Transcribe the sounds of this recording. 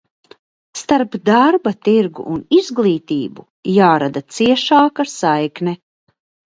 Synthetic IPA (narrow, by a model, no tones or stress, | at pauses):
st̪aɾpd̪aɾbat̪iɾɡṵʔunizɡlˠiːt̪iːbu | jaːɾad̪at̪siɛʃaːkaɾsajknɛ